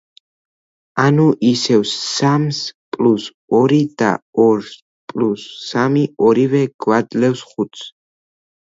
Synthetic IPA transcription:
anuʔisɛvsːamspʼlus | ɔɾid̪a̰ɔɾs | pʼlusːamiɔɾivɛɡ̥wad̪lɛfsχut̪sʰ

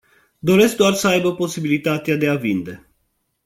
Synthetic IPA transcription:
d̪o̞ɾe̞sk̚d̪oarsəajbəpo̞sibilit̪at̪ead̪e̞avind̪e̞

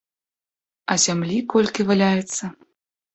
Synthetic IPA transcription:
ɐzʲamlʲikɔlʲkʲivalʲajɛt̪sːɐ

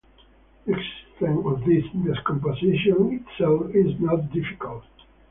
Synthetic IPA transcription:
ɛksθɪ̃ŋɔvðɪsdɪskɔ̃mp̬əzɪʃə̃nɪtsɛlˠfɪznət̚dɪfɪ̥kəlˠt̚

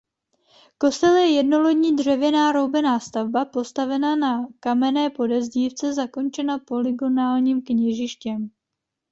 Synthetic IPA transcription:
ko̞st̪ɛljɛjɛdno̞lo̞ɟɲiːdr̝ɛvjɛnaːɾo̞wbɛnaːst̪avbapo̞st̪avɛnanakamɛnɛːpo̞dɛzɟiːft͡sɛzako̞nt͡ʃɛnapo̞lɪɡo̞naːlɲiːmkɲɛʒɪʃcɛm

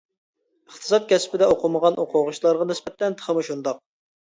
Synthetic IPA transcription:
əχt̪ʰɨ̥sɑt̪̚kʲɛspɪd̪ɛoqʰʊməʁɑnʔoqʰʊʁʊʃlˠɑɾʁɑnɪspɛt̪ːɛnt̪ʰə̥χəmɨʃund̪ɑq̚

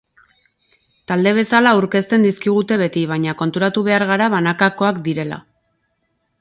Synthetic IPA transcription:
t̪ald̪e̞β̞e̞salauɾke̞st̪e̞nd̪iskiɣ̞ut̪e̞β̞e̞t̪iβ̞aɲako̞nt̪uɾat̪uβe̞aɾɣ̞aɾaβanakako̞akd̪iɾe̞la̰

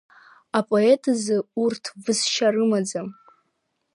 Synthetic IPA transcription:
apʼo̞e̞tʼʰzɨurtʰvɨsʃarɨmad͡zam

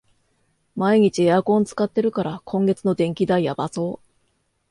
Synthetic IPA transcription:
maiɲ̟it͡ɕieakõ̞nt͡sɨ̥kat̪ːe̞ɾɯ̟kaɾakʰõ̞ŋɡe̞t͡sɨno̞d̪ẽ̞ŋkʲid̪aijabaso̞ː

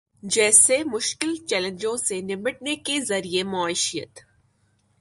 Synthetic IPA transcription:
d͡ʒɛːsemʊʃkɪlt͡ʃɛːlə̃ɲd͡ʒõsenɪməʈnekezɐɾiemʊaːɪʃijə̰t̪

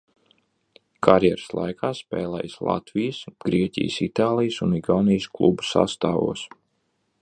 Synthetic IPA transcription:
kʰaɾjɛɾslˠa̰jkʰaːspɛːlˠɛ̰jslˠa̰t̪vijəsɡ̥ɾiɛcʲḭjəsit̪aːlˠijsuniɡawnijsklˠubu̥sa̰st̪aːvṵɔs

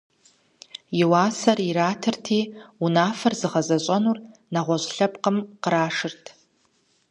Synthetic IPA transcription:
jiwaːsɐriɾaːtʰɨrtʰiːunaːfɐrzɨʁɐzɐɕʷʼɐnurnaʁʷɔɕʷɬɐpʼqəmqəɾaːʂɨrtʰ

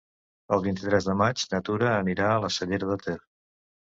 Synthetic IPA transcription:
əlˠβint̪it̪ɾɛzðəmad͡ʒnət̪uɾəːniɾaələsəʎeɾəðət̪er

